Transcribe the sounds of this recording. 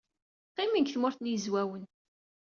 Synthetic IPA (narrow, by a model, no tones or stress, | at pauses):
qːimiŋkθmʊɾθnjəzwæwən